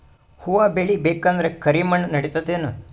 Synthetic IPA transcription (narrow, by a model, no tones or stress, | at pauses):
huʋaːbeɭibeːkand̪ɐɾekʰɐɾimɐɳnɐɽit̪ɐt̪ːeːnu